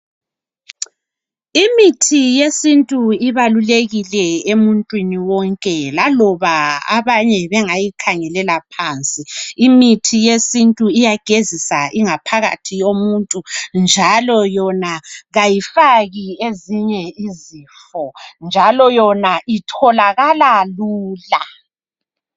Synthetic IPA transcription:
imitʰijesintʼuiβaluleɣilɛemuntʼwiniwɔŋkʼɛlalɔβaa̰βaɲɛβɛŋajikʰaŋɛlɛlapʰaːnt͡sʼiːmitʰijesintʼuijaɡ̥ʱezisaʔiŋapʰaɣa̰tʰijomuntʼund͡ʒʱalɔjɔnaɣajifaɣieziɲɛizifɔnd͡ʒʱalɔjɔnaʔitʰɔlaɣalaluːla

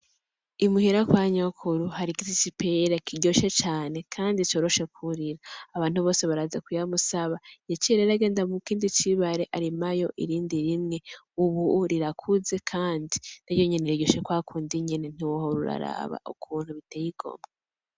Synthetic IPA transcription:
imuhiɾakwaːɲokʰuɾuhaɾiɡizit͡ʃipeɾekʰiɟoʃet͡ʃaːne̞kʰaːndit͡ʃo̞ːɾo̞ʃe̞kʰuɾiɾaːβaːnhuβo̞ːse̞βaɾazakujamusaβajat͡ʃieɾeɾaɡe̞ːndamukiːndit͡ʃiβaɾe̞ʔaɾimajo̞ʔḭɾiːndiɾimŋe̞ | uβuɾiɾakʰuze̞kʰaːndinajoɲeneɾiɟoʃekwaːkʰuːndiɲenen̥iwohoɾuɾa̰ɾa̰βa̰ʔṵkʰuːn̥huβiteːjiɡ̥o̰mɡa

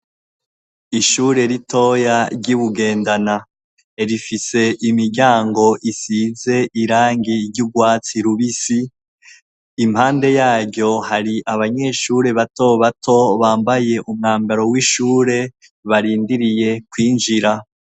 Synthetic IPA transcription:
iʃuːɾe̞ɾitʰo̞ːjaɾɟuβuɡe̞ːndana | eɾifise̞ʔimiɾɟaːŋɡo̞ʔisiːze̞ʔiɾaːŋɡiɾɟuɡwaːt͡siɾuβisi | mhaːnde̞jaːɟɟo̞haɾiʔaβaɲe̞ʃuːɾe̞βato̞βatʰo̞βaːmbaje̞ʔumŋaːmbaɾo̞wiʃuːɾe̞ | βaɾiːndiɾije̞kwiːnd͡ʒiɾa

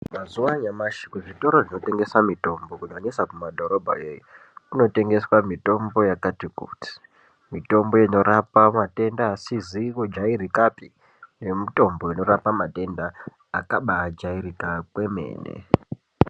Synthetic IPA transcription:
mazuwaɲamaʃi̥kuʐito̞ɾo̞ʐino̞te̞ŋɡe̞samito̞mbo̞kunoɲesakumadʱo̞ɾo̞bʱa̰jeju | tino̞te̞ŋɡe̞swamito̞mbo̞jakatikṵːti̥ | mito̞mbo̞ino̞ɾapamate̞ndaːsizikod͡ʒaiɾikapi | nemito̞mboino̞ɾapamate̞ndaː | kaɓaːd͡ʒaiɾikakwe̞me̞̰ːnḛ

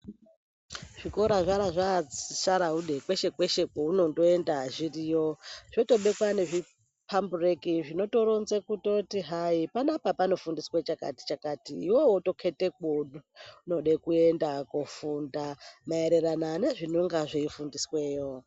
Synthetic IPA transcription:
ʐ̥iko̞ɾaʐaɾaʐaisaɾaɦuɗe̞kwe̞ʃe̞kwe̞ʃekouno̞ndo̞e̞ndaʐirijoʐ̥oto̞ɓe̞kwane̞ʐi | pʰamburekiʐino̞to̞ɾonzekuto̞tiɦaipanapapano̞fundiswet͡ʃakati̥t͡ʃakatiːwo̞woto̞kʰe̞tek̚oɗuuno̞ɗekue̞ndakofundamaeɾe̞ɾanane̞ʐinoŋɡaʐeifundiswe̞ːjo

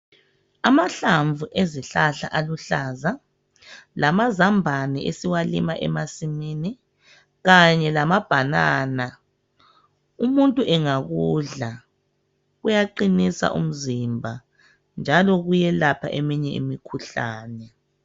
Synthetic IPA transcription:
amaɬaɱvʱuʔeziɬaɬaʔaluɬaza | lamazambʱanɛesiwalḭmaʔɛ̰masimiːni | ɣaɲɛlamab̥ʱanaːna | umuntʼuʔɛŋaɣuːɮa | ɣujaǃinisa̰ʔṵm̩zimbʱa | nd͡ʒʱalɔɣujɛlapʰa̰ʔemiɲɛḭmikʰuɬaːnɛ

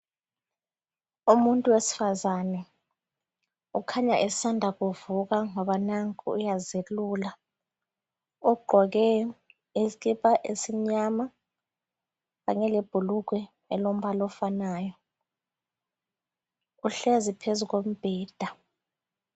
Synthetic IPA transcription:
umuntʼuwesi̥fazanɛ | ukʰaɲaʔɛsandʱaɣuvukaŋɔɓanaŋkʼuujazelula | ɔɡ͡ǃʱɔɣ̬ɛ | ekʼipʼaʔesiɲama | ɣaɲɛleb̥ʱuluk̬wɛ | ɛlom̩ɓalɔfanaːjɔ | uɬezipʰezuɣ̬om̩b̥ʱɛːd̥ʱa

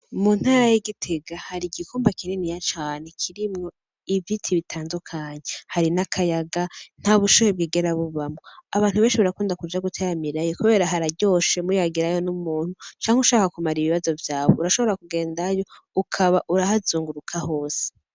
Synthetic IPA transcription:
mun̥haːɾajiɡitʰe̞ɡahaɾiɡikuːmbakiɾinijat͡ʃaːne̞kʰiɾimŋo̞ | ivitʰiβitʰaːndukʰaɲehaɾinakʰajaɡan̥haβuʃujeb̚ɡiːɡe̞ɾaβuβamŋo̞aβaːn̥uβenʃiβaɾakuːndakud͡ʒaɡutʰeːɾamiɾajikuβe̞ːɾaɦaɾaɟo̞ːʃemujaɡiɾajo̞numuːn̥hut͡ʃaːŋheuʃaːkakumaɾiβiβazo̞vjaːβouɾaʃo̞βo̞ɾakuɡe̞ːndajo̞ | ukʰaβaʔuɾahazuːŋɡuɾukʰaho̞ːse̥

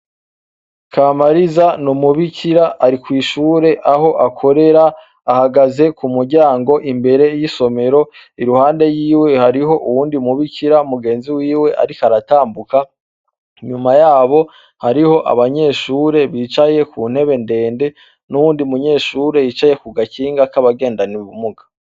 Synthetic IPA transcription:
kʰamaɾizanumuβicʰiɾaʔːɾikwiːʃuːɾe̞ʔaɦo̞ʔakʰo̞ɾe̞ɾaː | haɡaze̞kumuɾɟaːŋɡo̞ʔimbe̞ɾe̞jiso̞me̞ɾo | iɾuhaːnde̞jiːwe̞haɾiɦo̞ʔuwuːndimuβikiɾaumuɡe̞ːnziwiːwe̞ʔa̰ɾikaɾataːmbuka | ɲumajaːβo̞ | haɾiho̞ʔa̰βaɲe̞ʃuːɾe̞βiːt͡ʃajekʰuːn̥he̞βe̞nde̞ːnde̞ | nuβuːndiumuɲe̞ːʃuɾe̞jiːt͡ʃaje̞kuɡaciːŋɡakaβaɡe̞ːndaniβumuɡḁ

